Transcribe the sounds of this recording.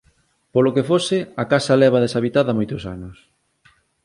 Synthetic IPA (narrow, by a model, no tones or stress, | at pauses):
polokefosɪakasalɛβ̞aðesaβit̪aðamojt̪ʊsa̰nʊs